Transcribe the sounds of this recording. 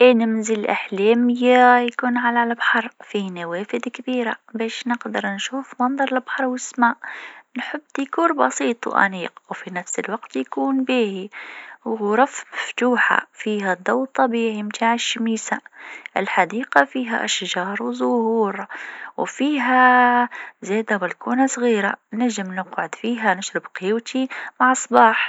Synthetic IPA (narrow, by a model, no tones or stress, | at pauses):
ʔɪnɪmzɪlʔɪ̰ħleːmɪjːajakuːnʕalalbħɑɾˤfiːnaweːfɪd̪kɪbiːɾa̰beːʃnɪqd̪ɑɾˤnʃuːfmɑnðˤɑɾˤlbħɑɾˤwɪsmaːʔnħɪbːt̪jkuːɾbɑ̰siːt̪ˤwʔa̰niːqwfinafsɪlwaqt̪jkuːnbiːhiwɾˤɑfaft̪uːħa̰fiːɦad̪ˤawt̪ˤːɑbiːʕimt̪ʰaːʕɪʃːamiːsaʔɪlħad̪iːqafiːɦa̰ʔaʃʒɑːɾˤwzʊhuːɾwfiːɦa | zeːd̪abɪlkuːnasˤɣiːɾanaʒɪmnɪqʕʊd̪fiːɦanɪʃɾɪbqɪjwt̪ʰimaʕɑsˤbɑːħ